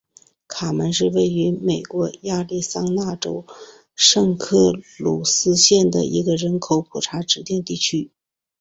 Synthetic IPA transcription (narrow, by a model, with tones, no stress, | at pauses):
kʰa˨˩mə˧˥nʂɻ̩˥˧we˥˩ɪy˧˥me˨˩ɪkwɔ˧˥ja˥˧li˥˩sɑ˥ŋna˥˩ʈ͡ʂo̰˥ʊ | ʂɤ˥˧ŋkʰɤ˥˩lu˨˩sɹ̩˥ɕjɛ˥˩nd̪ə̰˩ʔḭ˧˥ɡə˧ɻə˧˥nkʰo˧˥ʊpʰu˨˩ʈ͡ʂʰa˧˥ʈ͡ʂɻ̩˧˥t̪jɛ˥˧nt̪i˥˩t͡ɕʰy˥